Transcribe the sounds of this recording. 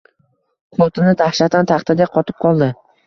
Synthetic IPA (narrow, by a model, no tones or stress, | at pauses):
qʰot̪ʰɪnɪd̪ahʃat̪ʰant̪ʰɑχt̪ʰad̪eqʰɒt̪ʰɪ̥p̚qʰɒlˠd̪ɪ